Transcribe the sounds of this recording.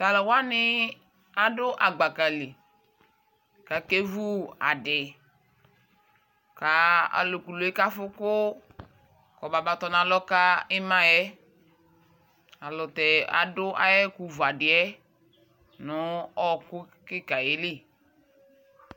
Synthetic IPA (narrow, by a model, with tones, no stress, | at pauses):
ta˨lɔ˨wa˦nɪ˦ | a˨dʊ˦ʔa˨ɡ͡ba˨ka˨le˨ | ka˨ke˦vu˦a̰˨dɪ˨ | ka˨˦a̰˨lo˨ku˨lo˨ɛ˦ka˦fʊ˦kʊ˦ | kɔ˨ba˨ba˨tɔ˨˦nã˨lɔ˦ka˦ɪ˦mã˦jɛ˦ | a˨lɔ˨tɛ˨a̰˨dʊ˦ʔa̰˦jɛ˦ku˨va˨dɪ˨ɛ˦ | nʊ˨˦ɔ˦kʊ˦ | kɪ˦ka˨je˦lɪ˦˨